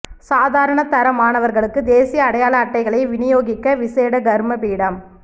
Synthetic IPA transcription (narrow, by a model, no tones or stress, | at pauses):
saːðaːɾɐɳɐt̪ɐɾɐmaːnɐʋɐɾɣɐɭɯkːɯd̪eːsijɐːɽɐjaːɭɐːʈːɐɪɣɐɭɐɪʋɪnɪjoːɣɪkːɐʋɪseːɽɐɡɐɾmɐpiːɽɐm